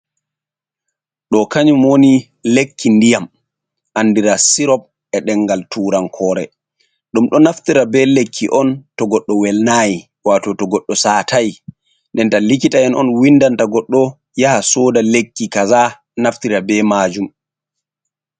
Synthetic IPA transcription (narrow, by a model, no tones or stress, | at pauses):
ɗɔkaɲumwoni | lekʰːindijam | ʔanːdiɾasiɾɔp̚ | ɛɗɛŋɡaltʰuːɾankʰɔːɾɛ̰ | ɗumɗɔnaftiɾabɛlekʰːiʔɔntɔɡɔɗːɔwɛlnaːji | waːtɔtɔɡɔɗːɔsaːtʰaj | ndɛntalikitaɛnɔnwindantaɡɔɗːɔ | jahasɔdalekːikaza | naftiɾabɛmaːd͡ʒum